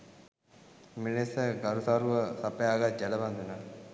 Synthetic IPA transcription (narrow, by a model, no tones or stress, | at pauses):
minesəɡɐɾusaɾuʋəsɐpɐjaːɡat̪̚d͡ʒɛlɐʋand̪una